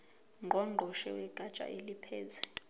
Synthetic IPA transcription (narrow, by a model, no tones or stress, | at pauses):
ŋɡʱɔŋ͡ǃʱɔʃɛ̰wɛɡ̥ʱat͡ʃʼa̰ʔelipʰɛːzɛ